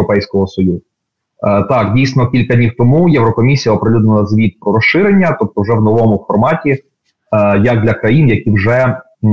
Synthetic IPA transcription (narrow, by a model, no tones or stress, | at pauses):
ɔpɛjsʲkɔɦɔsɔjuzʊ | t̪ɑkdʲijsnɔkʲilʲkɐdʲnʲiwt̪ɔmujɛwɾɔkɔmʲisʲijɐɔpɾelʲud̪nɐlɐzʋʲid̪̚pɾɔɾɔʃɪɾenʲːɐt̪ɔp̚t̪ɔwʒɛwnɔʋɔmʊfɔrmɑtʲi | jɐɡ̚d̪lʲɐkɾɐjinjɐkʲiwʐɛ